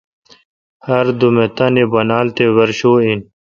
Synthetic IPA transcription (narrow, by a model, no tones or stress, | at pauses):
hɐɾd̪umet̪ãnibɐnaːlt̪ewɐɾɕoːin